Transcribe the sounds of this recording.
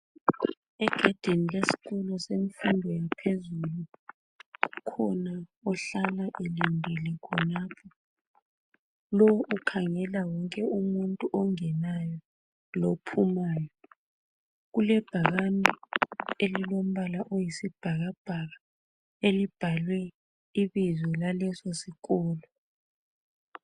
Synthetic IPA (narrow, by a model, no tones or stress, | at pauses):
ɛɡ̥ʱad̥ʱenilesi̥k̬ulɔseɱfundʱwenipʰezulu | ukʰɔnaɔɬalaʔelimbʱilɛkʰɔnaːpʰɔ | lɔʔukʰaŋɛlawɔŋkʼɛumuntʼuʔɔŋɛnajɔ | lopʰumaːjɔ | ɣulɛb̥ʱaɣanʱielilom̩βalaʔojisib̥ʱaɣab̥ʱaɣa | elib̥ʱalwɛ | iβizwɛlalɛsosikɔːlɔ